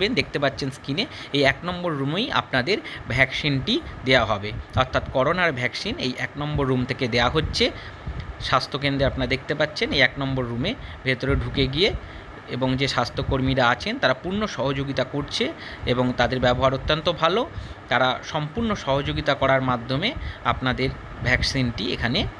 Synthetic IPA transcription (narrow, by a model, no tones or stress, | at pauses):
end̪ek̚ʰt̪epatːɕʰenskineejɛknɔmboɾːumeja̰pnad̪eɾbʱɛksinʈid̪eaɦɔbeɔɾt̪ʰat̪kɔɾonaɾbʱɛksinḛjʔɛknɔmboɾːumt̪ʰeked̪eaɦotːɕʰe | ʃast̪ʰok̬end̪ɾeapnaɾad̪ek̚ʰt̪epatːɕʰenejɛknɔmboɾːumebʱet̪oɾeɖʱukeɡie | eboŋd͡ʑeʃast̪ʰokoɾmiɾaat͡ɕʰent̪aɾapuɾnoʃɔɦod͡ʑoɡit̪akoɾt͡ɕʰeeboŋt̪ad̪eɾbɛboɦaɾot̪ːant̪obʱalot̪aɾaʃɔmpuɾnoʃɔɦod͡ʑoɡit̪akɔɾaɾmad̪ʱːomeapnad̪eɾ | bʱɛksinʈiḛkʰane